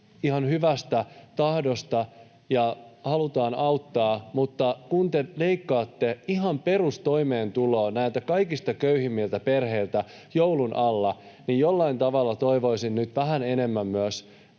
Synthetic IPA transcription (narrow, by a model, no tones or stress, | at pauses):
ihɑnhyʋæst̪æt̪ɑhdost̪ɑ | jɑhɑlut̪ɑːnɑut̪ːɑːmut̪ːɑkunt̪eleikːɑːt̪ːeiɦɑmperust̪oimeːnt̪uloːnæit̪ækɑikist̪ɑkøyhimːilt̪æperheilt̪æ | joulunʔɑlːɑ | nijjolːɑint̪ɑʋɑlːɑt̪oiʋo̞isinnyt̪ʋæhænenemːæmːyæs